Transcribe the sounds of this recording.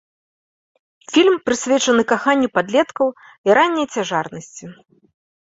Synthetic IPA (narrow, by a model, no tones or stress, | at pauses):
fʲilʲmpɾɨsʲvʲɛt͡ʂɐnɨkaxanʲːipad̪lʲɛt̪kɐw | iɾanʲːɐjt͡sʲaʐarnɐsʲt͡sʲi